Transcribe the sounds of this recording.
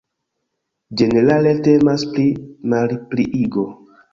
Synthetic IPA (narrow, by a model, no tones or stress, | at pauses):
d͡ʒe̞neɾale̞te̞maspɾimalpɾiʔiɡo